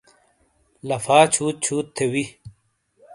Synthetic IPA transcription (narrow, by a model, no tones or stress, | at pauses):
lɐfaːt͡ɕʰuːt̪̚t͡ɕʰuːt̪ʰːewi